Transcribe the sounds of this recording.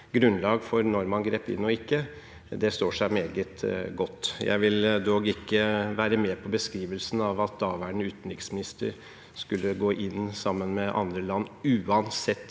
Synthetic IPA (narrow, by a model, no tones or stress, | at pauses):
ɡɾʉnlɑːɡfɔɾnɔɾmɑnɡɾeːpɪ̰nːɔɪkːə | d̪ɛst̪oːʂæɪmeːɡət̪ɡɔt̪ːjæ̰ɪʋɪld̪oːɡɪkːəʋæːɾəmeːpʰɔbəskɾiːʋəlsn̩ɑʋɑt̪ɑːʋæɳʉːt̪n̩ɾɪksmɪnɪst̪ə̰ɾ | skʉlːəɡoːʔɪnsɑmːənmɛʔɑ̰nd̪ɾəlɑnːʉːɑnsɛt̪ː